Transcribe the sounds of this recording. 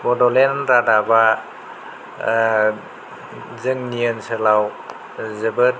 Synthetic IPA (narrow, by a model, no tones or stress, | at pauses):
bɔdɔlenɾadaba | zɯŋniənsɯlaw | zɯbɯt̚